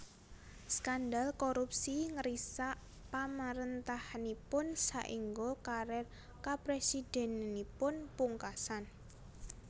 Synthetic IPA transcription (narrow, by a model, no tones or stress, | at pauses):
skandalkoɾupsiŋəɾisaʔ | pamaɾənt̪ahnipʊnsaʔiŋɡokaɾɛ | kapɾesid̥ɛ̤nnipʊnpuŋkasan